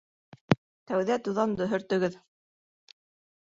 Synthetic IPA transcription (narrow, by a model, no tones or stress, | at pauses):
t̪æwðæt̪uðɑnd̪ɵ̆ɦɵ̆ɾt̪ɵ̆ɡɘð